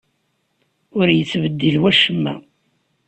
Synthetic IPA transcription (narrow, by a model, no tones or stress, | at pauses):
ʊɾjət͡sːvəd̪ːilwæʃəmːæ̰